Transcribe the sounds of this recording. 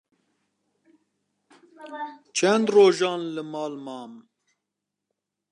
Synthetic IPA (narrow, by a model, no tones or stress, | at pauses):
t͡ʃʰɛnd̪roːʒɑːnlɨmɑːlmɑːm